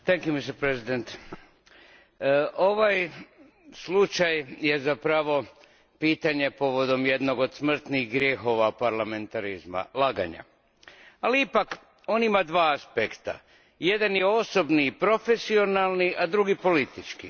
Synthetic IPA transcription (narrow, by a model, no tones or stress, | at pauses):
t̪ɛŋkjumist̪eɾpɾezid̪ent̪ | ʔo̞ʋaj | slut͡ʃajje̞zapɾaʋo̞ | piːt̪aɲe̞po̞ʋo̞d̪o̞mje̞d̪no̞ɡo̞d̪smr̩t̪niɣɡɾje̞xo̞ʋapaɾlame̞nt̪aɾizma̰laɡa̰ɲa̰ | aliipak | o̞ːnimad̪ʋaːaspekt̪a̰ | je̞d̪anje̞o̞so̞bniːpɾo̞fe̞sio̞nalˠniʔad̪ɾuɡipo̞lit̪it͡ʃkḭ